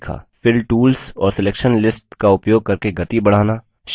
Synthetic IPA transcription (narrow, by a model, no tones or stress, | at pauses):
kʰa̰ːfɪɾʈuːlsɔːɾsɪleːkʃənlɪsʈkaʊpjoːɡ̚kɐɾkeɡɐt̪ibɐɽ̤aːna | ʃ